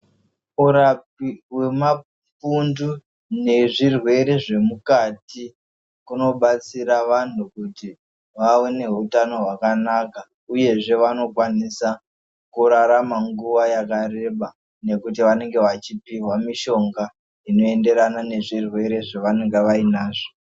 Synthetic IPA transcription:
uɾap̚iwe̞ma | pundu | ne̞ʐirwe̞ɾe̞ʐe̞mukati | kuno̞ɓat͡siɾaʋan̤ukuti | ʋawene̞ɦutano̞ɦwakanaka | uje̞ʐe̞ʋano̞kwanisa | kuɾaɾamaŋɡuʋajakaɾe̞ɓa | ne̞kutiʋane̞ŋɡe̞ʋat͡ʃipiɦwamiʃo̞ŋɡa | ino̞e̞nde̞ɾanane̞ʐirwe̞ɾe̞ʐaʋane̞ŋɡeʋainaːʐo

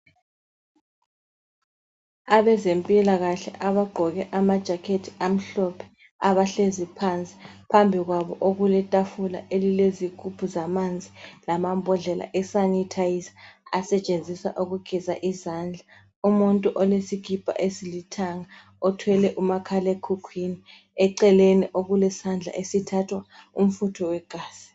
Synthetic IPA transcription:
aβɛzempʼilaɣaɬɛʔaβaɡ͡ǃʱɔɣɛʔamad̥ʒ̥ʱakʰetʰi̥ʔam̩ɬɔpʰɛ̥ | aβaɬezipʰant͡sʼi̥pʰambʱiɣwaβɔʔoɣulɛtʼafula̰ʔelileziɡ̥ʱupʰuzamand͡zʱilamambʱɔɮɛlʔa̰ʔɛsanitʰajizḁasɛt͡ʃʼend͡zʱisa̰ʔuɣuɡ̥ʱizaʔizaːnd͡ɮʱa | umuntʼuʔɔlesiɡ̥ʱipʼa̰ʔesilitʰaŋa | ɔtʰwɛlɛʔumakʰalekʰukʰwini | ɛǀɛleniʔoɣulɛsand͡ɮʱa̰ʔesitʰatʰwaum̩futʰɔwɛɡ̥ʱaːz̥i̥

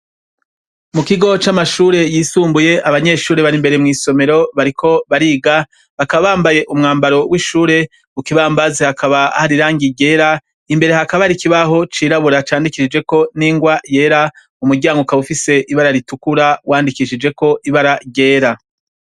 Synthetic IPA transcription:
mukiɡo̞t͡ʃamaʃuːɾe̞jiːsuːmbuje̞aβaɲe̞ʃuːɾe̞βaɾimbe̞ɾe̞mŋiːso̞me̞ɾo̞βaɾikʰo̞βaɾiːɡa | βakaβaβaːmbaje̞ʔumŋaːmbaɾo̞wiːʃuːɾe̞ | ukiβaːmbazehakaβahaɾiɾaːŋɡiɟe̞ːɾa | imbe̞ɾe̞ɦakaβaɾikiβaɦo̞t͡ʃiːɾaβuɾat͡ʃaːndikiʃid͡ʒwe̞ko̞niːŋɡwaje̞ːɾa | umuɾɟaːŋɡokaβufise̞ʔiβaɾaɾitukuɾawaːndikiʃid͡ʒe̞ko̞ʔiβaɾaɟe̞ːɾa

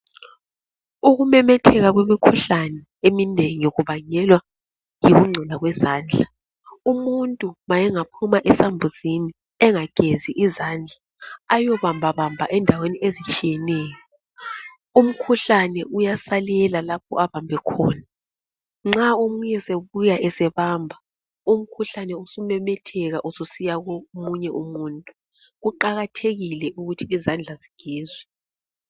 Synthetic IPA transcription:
uɣumɛmɛtʰɛɣaɣwemikʰuɬanɛ | emineŋijoɣuβaɲɛlwa | jiɣuŋ͡ǀʱɛlaɣwɛzaːnd͡ɮʱa | umuntʼumajɛŋapʰumaʔɛsambʱuz̥ini | ɛŋaɡ̥ʱeziʔizand͡ɮʱaː | jɔβambʱaβambʱaʔɛndʱaweniʔezit͡ʃʼijɛnɛːjɔ | um̩kʰuɬanɛʔujasalɛlalap̚ʰɔ̰ʔaβambʱɛkʰɔːna | ŋ͡ǁaomuɲɛseβujaʔɛsɛβaːmbʱa | um̩kʰuɬanɛusumɛmɛtʰɛɣaʔususijaɣomuɲɛʔumuːntʼu | ɣuǃaɣatʰeɣilɛʔuɣutʰiːzand͡ɮʱaziɡ̥ʱɛːzwɛ

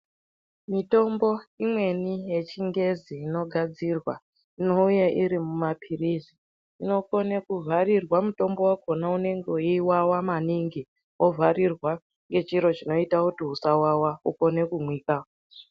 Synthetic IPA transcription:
mito̞mbo̞imwe̞nije̞t͡ʃiŋɡe̞ziːno̞ɡʱad͡zirwa̰ | inouje̞ʔiɾimumapʰirizi | ino̞ko̞nekuvʱarirwamuto̞mbo̞wakonaune̞ŋɡeuiwawamaniŋɡi | wʔovʱarirwa | ŋɡe̞t͡ʃiɾo̞t͡ʃino̞itakutiɦusawawauko̞ne̞kumwiːka

